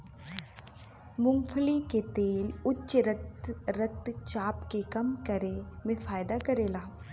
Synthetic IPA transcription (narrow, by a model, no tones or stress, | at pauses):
mʊ̃ŋfʰəliket̪eːlʊtːʃɾət̪ɾɐt̪t͡ʃaːpkekɐmkɐɾemẽfaːjd̪akɐɾeːlaː